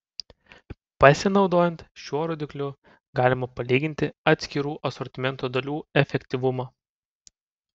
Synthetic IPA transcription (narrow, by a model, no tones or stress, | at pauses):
pɐsʲɪnɒʊd̪oːjɛnt̪ʃʲuɔɾoːd̪ʲɪklʲʊ | ɡɑːlʲɪmɐpɐlʲiːɡʲɪnʲt̪ʲɪɐt̪ʲsʲkʲɪɾuːʔɐsɔɾʲt̪ʲɪmʲɛnt̪oːd̪ɐlʲuːɛfʲɛkʲt̪ʲiʋʊmɑː